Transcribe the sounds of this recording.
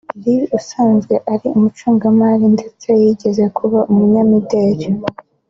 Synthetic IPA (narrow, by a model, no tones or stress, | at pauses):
ɾiusaːnzɡe̞ʔaɾiumut͡ʃuːŋɡamalinde̞t͡sejiɟe̞ze̞kʰuβaumuɲamideːɟe